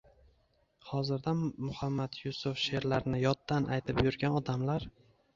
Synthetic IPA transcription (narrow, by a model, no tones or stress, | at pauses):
hɒzɪɾd̪amʊhamːad̪jʊsʊfʃe̞ɾlaɾnɪjɒt̪ːanʔajt̪ʰɪpjʊɾɡʲanɒd̪amlaɾ